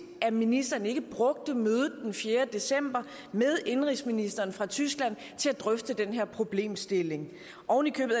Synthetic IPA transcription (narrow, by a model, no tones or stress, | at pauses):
ʔæminisd̥ɐnəe̝ɡ̥əb̥ʁɔ̽ɡ̥̚d̥əmøːðˠð̩ˠd̥enfjeːɐd̥e̝sem̰b̥ɐ | með̞ˠe̝nʁisminisd̥ɐːnfʁɑ̈t͡sʰysɡ̥læn̰ | t͡sʰe̝læd̥ʁœfd̥əd̥enɦeɐpʰʁo̝b̥le̝̰ːmsd̥e̝le̝ŋ | ʔɒʊn̩likʰøːb̥ð̩ˠ